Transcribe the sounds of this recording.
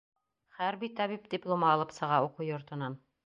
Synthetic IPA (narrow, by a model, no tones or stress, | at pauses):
χæɾbit̪ɑβipd̪ʲiplˠomɑɑlˠɤpsɤ̆ʁɑuqujŏɾt̪ɤ̆nɑn